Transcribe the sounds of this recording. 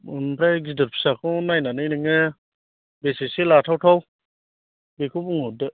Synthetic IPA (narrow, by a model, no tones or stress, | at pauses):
mpʰɾaɡidɯɾpʰi̥sakʰɔnajnanɯjnɯŋɯ | besiselatʰawtʰaw | bekʰupuŋɔdɯ